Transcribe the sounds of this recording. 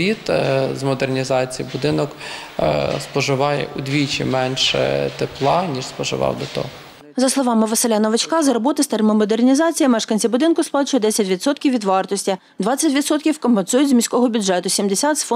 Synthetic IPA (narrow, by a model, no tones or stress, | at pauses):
it̪zmɔd̪ernʲizɑt͡sʲijibʊd̪ɪnɔk | spɔʒɪʋɑjɛ̰ʔʊd̪ʲʋʲit͡ʃḭmɛnʲʃɛ̰t̪eplˠɑnʲiʃspɔʒɪ̰ʋɑ̰wd̪ɔt̪ɔ̰ɦɔ | zɐslˠɔʋɑmɪʋɐselʲɛnɐʋet͡ʃkɑzɐɾɔbɔt̪ɪst̪ɛrmɪmɔd̪ernʲizɑt͡sʲijɐmɛʃkɐnʲt͡sʲibʊd̪ɪnkʊsplˠɑt͡ʃʊjɔd̪ɛsʲɐtʲʋʲid̪sɔt̪kʲiwʋʲid̪ʋɑrt̪ɔsʲtʲi | d̪ʋɑt͡sʲːɐtʲʋʲid̪sɔt̪̚kʲiwkɔmpensujʊtʲzʲmʲisʲkɔɦɔbʲʊdʒʐɛt̪ʊsʲimd̪esʲat̪sfɔ